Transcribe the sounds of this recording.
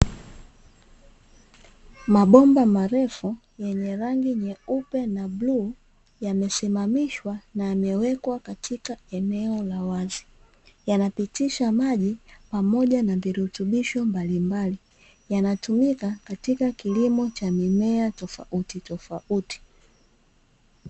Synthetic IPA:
maɓɔmbamaɾɛfu | jɛɲɛɾaŋɡiɲɛupɛnablu | jamɛsimamiʃwanajamɛwɛkwakatʰikaɛnɛɔlawazi̥ | janapitiʃamaʄipamɔʄanaviɾutuɓiʃɔmbalimbali | janatumikakatikakilimɔt͡ʃamimɛatɔfa̰ʔutitɔfaʔuti̥

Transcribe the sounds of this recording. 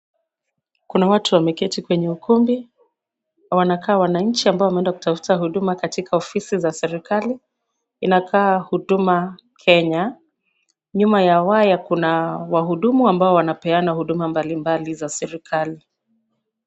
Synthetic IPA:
kunawatuwamɛkɛtikwɛɲɛukumbi | wanakaːwanaɲ̩t͡ʃiambaɔwamɛɛndaku̥tafu̥taɦuɗumakatikʰaɔfisizasɛɾikaliː | nakʰaːhuɗuma | kʰɛɲa | ɲumajawajakunawaɦuɗumuambaɔwanapɛanahuɗumambalimbalizasɛɾikʰali

